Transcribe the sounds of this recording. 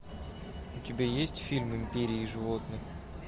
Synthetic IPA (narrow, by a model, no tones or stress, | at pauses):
ʊt̪ʲɪbʲejesʲtʲfʲilʲmɪmʲpʲeɾʲijiʒɨvot̪ənə